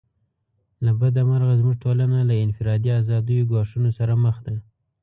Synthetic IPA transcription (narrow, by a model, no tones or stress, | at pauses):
labad̪amaɾɣazmuʐʈolanalaɪnfɪɾɑd̪iazɑd̪əjoɡɑʂunosaɾaməxd̪a